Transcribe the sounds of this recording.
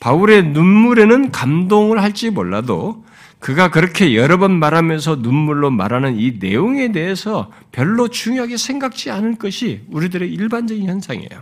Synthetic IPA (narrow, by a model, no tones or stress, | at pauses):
pauɾe̞nunmuɾe̞nɯnkamdoŋɯɭhaɭt͡ɕ͈imoɭːado̰ | kɯɡakɯɾʌkʰe̞jʌɾʌbʌnmaɾɦamjʌns̬ʰʌnunmuɭːoma̰ɾanɯnine̞̰joŋe̞de̞ɦesʰʌ | pjʌɭːot͡ɕuŋjoɦaɡe̞sʰe̞ŋɡak̚t͡ɕ͈ianɯɭk͈ʌɕʰiuɾidɯɾe̞iɭband͡ʑʌɡinçjʌnsʰaŋḛjo̰